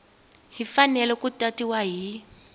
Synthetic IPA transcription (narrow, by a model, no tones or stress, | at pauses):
ɦifanɛlɛkutatiwaɦi